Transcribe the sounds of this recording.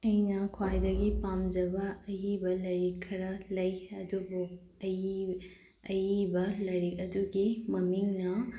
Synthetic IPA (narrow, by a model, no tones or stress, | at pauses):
ɐjnɐkʰwajdɐɡipamd͡ʒɐbɐːjibɐlɐjɾikʰːɐɾɐlɐjɐdubu | ɐji | ɐjibɐlɐjɾik̚ɐduɡimɐmiŋnɐ